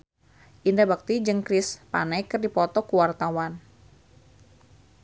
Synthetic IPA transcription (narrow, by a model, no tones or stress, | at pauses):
ʔindabak̚t̪id͡ʒɨŋkɾɪspa̰najkɨrdipɔt̪ɔkuwart̪awan